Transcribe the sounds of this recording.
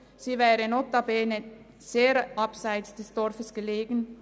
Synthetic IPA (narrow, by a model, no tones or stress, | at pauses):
siːvɛːɾənɔt̪ːɑbeːnə | seːɾʔɑpsaɪt͡sd̥ɛsd̥ɔrfəsɡ̥əleːɡn̩